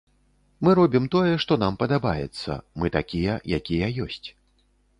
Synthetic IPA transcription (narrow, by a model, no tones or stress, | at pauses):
mɨɾɔbʲimt̪ɔjɛʂt̪ɔnampɐd̪abajɛ̰t̪sːɐ̰mɨt̪akʲijɛjakʲijɐjɔsʲt͡sʲ